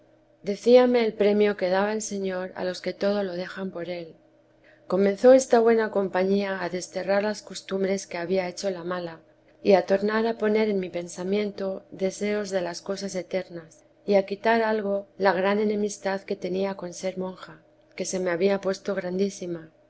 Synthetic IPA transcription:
d̪e̞θiameːlpɾe̞mjo̞ke̞ð̞aβae̞lse̞ɲo̞ɾa̰lo̞ske̞t̪o̞ð̞o̞lo̞ð̞e̞xampo̞ɾe̞l | ko̞mẽ̞nθo̞e̞st̪aβwe̞nako̞mpaɲiaːðe̞st̪e̞raɾlasko̞st̪umbɾe̞ske̞aβiae̞t͡ʃo̞lamala | iat̪o̞ɾnaɾapo̞ne̞ɾe̞nmipe̞nsamjẽ̞nt̪o̞ðe̞se̞o̞zðe̞lasko̞sase̞t̪e̞ɾnas | iakit̪aɾalɣ̞o̞laɣ̞ɾane̞ne̞mist̪aðke̞t̪e̞niako̞nse̞ɾmõ̞ŋxa | ke̞se̞me̞aβiapwe̞st̪o̞ɣɾand̪isima

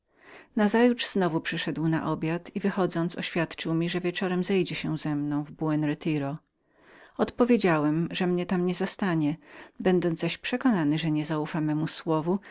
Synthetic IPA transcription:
nazajut͡ʂz̥nɔvupʂɘʂɛd̪wna̰ʔɔbʲjat̪ʰivɘxɔd̪zɔnt̪sɔ̰ɕfʲjat̪t͡ʂɨwmʲiʐɛvʲjɛt͡ʂɔɾɛmzɛjd͡ʑɛɕɛzɛmnɔ̃w̃vbuɛnɾɛt̪ʰiɾɔ | ɔt̪pɔvʲjed͡ʑawɛmʐɛmɲɛt̪amɲɛzast̪aɲɛbɛnd̪ɔnzaɕpʂɛkɔnanɘʐɛɲɛzaufamɛmuswɔvu

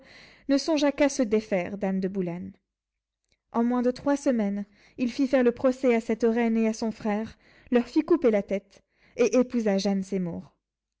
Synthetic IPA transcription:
nəsɔ̃ʒakasəd̪efɛʁd̪amd̪əbulan | ɑ̃mwɛ̃d̪ət̪χwasəmɛn | ilfifɛʁləpχɔsɛasɛt̪ʁɛneasɔ̃fχɛʁ | lœʁfikupelat̪ɛt̪ | eʔepuzaʒansemṵʁ

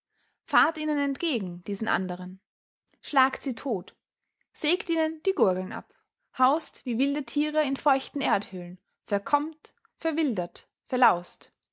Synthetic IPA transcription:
faːɐtʔiːnənɛntɡ̥eːɡŋ̩d̥iːzn̩ʔa̰ndəʁ̞ən | ʃlaːktz̥iːtʰoːt | z̥eːktʔiːnənd̥iːɡʊɐɡl̩nʔa̰p | haʊstv̥iːvɪldətʰiːʁəɪnfɔʏçtn̩ʔeːɐthʏːlən | fɛɐkʰɔmt | fɛɐvɪldɐt | fɛɐlaʊst

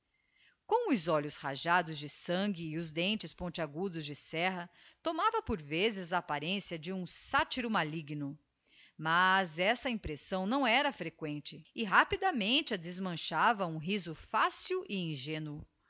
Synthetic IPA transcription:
kõw̃ʊzɔʎʊshaʒad̪ʊzd͡ʒɪsɐ̃ŋɡɪːʊzd̪ẽnt͡ʃɪspõnt͡ʃɪaɡud̪ʊzd͡ʒɪsɛɦɐt̪omavɐpoɾvezɪzɐːpaɾẽsiɐd͡ʒɪũsat͡ʃiɾʊmaliɡnʊ | mazɛsɐĩpɾesɐ̃w̃nɐ̃w̃ɛɾɐfɾekwẽnt͡ʃɪɪɦapid̪ɐmẽnt͡ʃɪɐd̪ɪzmɐ̃ʃavɐũɦizʊfasiwʔɪĩʒẽnʊ

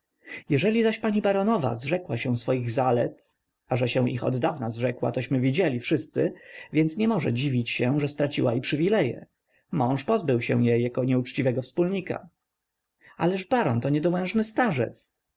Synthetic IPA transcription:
jɛʐɛlʲizaɕpaɲibaɾɔnɔva̰zʐɛkwaɕɛw̃sfɔjiɣzalɛt̪ | aʐɛɕɛw̃ʔḭxɔ̰d̪d̪avnazʐɛkwa̰t̪ɔɕmɘvʲid͡ʑelʲifʂɘst̪sɘvʲjɛnt̪sɲɛmɔʐɛd͡ʑivʲit͡ɕɕɛʐɛst̪ɾat͡ɕiwaipʂɘvʲilɛjɛ̰ | mɔ̃w̃ʂpɔzbɘwɕɛw̃jejːakɔɲɛut͡ʂt͡ɕivɛɡɔfspulɲika̰ | alɛʐbaɾɔnt̪ɔɲɛd̪ɔwɛ̃ʐnɘst̪aʐɛ̰t̪s

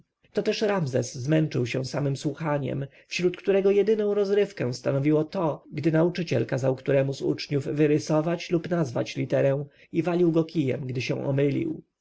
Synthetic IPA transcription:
t̪ɔt̪ɛʂɾamzɛsːmɛnt͡ʂɘwɕɛ̃samɘmswuxaɲɛ̰m | fɕɾut̪kt̪uɾɛɡɔjɛd̪ɘnɔ̃w̃ɾɔzɾɘfkɛ̃w̃st̪anɔvʲiwɔt̪ɔɡd̪ɘnaut͡ʂɘt͡ɕɛlkazawkt̪uɾɛmuzṵt͡ʂɲuvːɘɾɘsɔvat͡ɕlupnazva̰t͡ɕlʲit̪ɛɾɛw̃ | ivalʲiwɡɔkʲijɛ̰mɡd̪ɘɕɛ̰̃w̃ʔɔ̰mɘlʲḭw

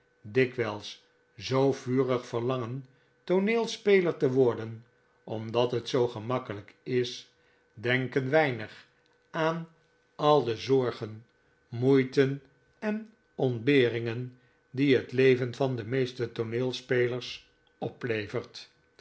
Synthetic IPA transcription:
dɪkʋɛlˠs | zowv̥yːrəχfəɹlɑŋən | toneːlˠspejləɹtəʋɔɹdən | ʔɔmdɑtɦətsowχəmɑkələkɪs | dɛŋkənʋɛjnəχ | aːn | ɑlˠdəzɔɹχən | mujtən | ɛn | ɔndbɪːrɪŋən | diɦətlejvənvɑndəmejstətonɪːlˠspejləɹs | ɔplejvəɹt

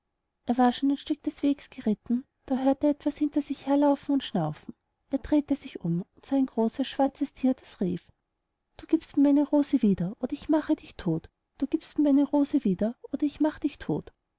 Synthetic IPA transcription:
ʔeːɐvaːɐʃoːnæɪnʃtʏk̚d̥ɛsv̥eːɡsɡ̥əʁɪtn̩ | d̥aːɦøːɐteːɐɛtv̥ashɪntɐzɪçheːɐlaʊfn̩ʊntʃnaʊfn̩ | ʔeːɐd̥ʁeːtezɪçʊmʊntsaɪnɡ̥ʁoːsɐsʃv̥aɐt͡səstʰiːɐdasʁiːf | d̥uːɡ̥iːpstmiːɐmaɪnəʁoːzəviːdɐʔoːdɐɪçmaχədɪçtʰoːt | d̥uːɡ̥iːpstmiɐmaɪnəʁoːzəviːdɐʔoːdɐɪçmaχəd̥ɪçtʰo̰ːt

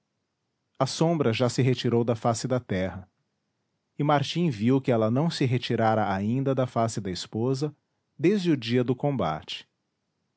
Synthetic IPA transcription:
ɐsõmbɾɐʒasɪɦet͡ʃiɾowd̪ɐfasɪd̪ɐt̪ɛɦɐ | ɪmaɾt͡ʃĩviwkɪɛlɐnɐ̃w̃sɪɦet͡ʃiɾaɾɐaĩnd̪ɐd̪ɐfasɪd̪ɐispozɐ | d̪ezd͡ʒɪʊd͡ʒiɐd̪ʊkõba̰t͡ʃɪ̥

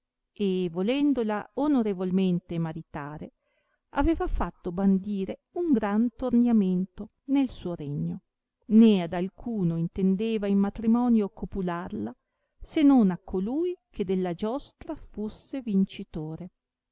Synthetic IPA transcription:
evolɛnd̪olaonoɾevolment̪emaɾit̪aːɾe | a̰veːvafat̪ːoband̪iːɾe | uŋɡɾant̪ornjament̪o | nelsuːoɾeɲːo | nead̪alkʰuːnoint̪end̪eːvaimmat̪ɾimɔːnjokʰopularla | senːonakʰːoluːjk̟ed̪elːad͡ʒɔst̪ɾafusːevint͡ʃit̪oːɾe

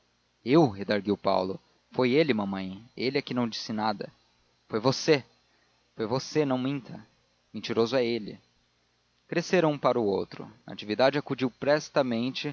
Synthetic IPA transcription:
ewhed̪aɾɡiwpa̰wlʊ | fojelɪmɐ̃mɐ̃j̃elɪɐkɪnɐ̃w̃d͡ʒisɪnad̪ɐ̰ | fojvose | fojvosenɐ̃w̃mĩnt̪ʰɐ | mẽnt͡ʃiɾozʊɛelɪ̰ | kɾeseɾũpaɾɐuowt̪ɾʊ̰na̰t͡ʃivid̪ad͡ʒɪakud͡ʒiwpɾɛst̪ɐmẽnt͡ʃɪ

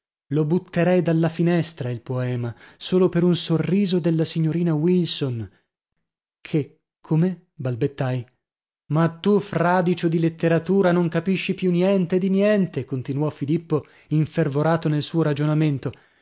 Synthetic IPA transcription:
lobut̪ːeɾɛjd̪alːafinɛst̪ɾailpoɛːmasoːlopeɾunsorːiːzod̪elːasiɲːoɾiːnawilson | kʰe | kʰːome | balbet̪ːaj | mat̪ːufraːd̪it͡ʃod̪ilet̪ːeɾat̪uːɾanoŋkapiʃːipjunjɛnt̪ed̪injɛnt̪ekont̪inwɔfilipːo | iɱfervoɾaːt̪onelsuːoɾad͡ʒonament̪o

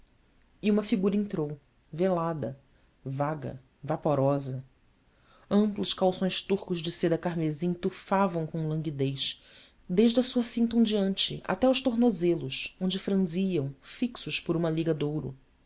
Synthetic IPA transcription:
iũmɐfiɡuɾɐẽnt̪ɾow | velad̪ɐ̰ | vaɡɐ̰ | vapoɾɔzɐ | ɐ̃mplʊʃkawsõj̃ʃt̪uχkʊʒd͡ʒɪsed̪ɐkaɾmezĩɲt̪ufavɐ̃w̃kõlɐ̃ŋɡid̪ejʃ | d̪eʒd͡ʒɐsuɐsĩnt̪õw̃d͡ʒiɐ̃nt͡ʃɪ̰ʔa̰t̪ɛʊʃt̪oɦnozelʊʃõñd͡ʒɪfɾɐ̃ziɐ̃w̃fiksʊʃpʊɾũmɐliɡɐd̪owɾʊ̰

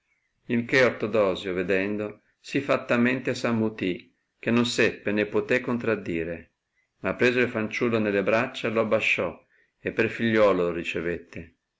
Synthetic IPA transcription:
ilkeort̪od̪ɔːzjoved̪ɛnd̪o | sifat̪ːamɛnt̪esamːut̪i | k̟enːonsɛpːenepːot̪ɛkːont̪ɾad̪ːiːɾe | mapːɾeːzoilfant͡ʃulːonelːebɾat͡ʃːaloabːaʃːɔ | epːerfiʎːɔːloloɾit͡ʃevet̪ːe

